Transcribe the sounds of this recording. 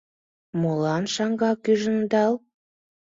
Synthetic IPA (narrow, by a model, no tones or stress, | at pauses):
molɑnʃɑŋɡɑkyʒə̆nd̪ɑlˠ